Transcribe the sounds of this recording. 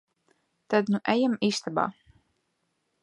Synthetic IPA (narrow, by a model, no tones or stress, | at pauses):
t̪ad̪nuʔæjamiːst̪aba̰ː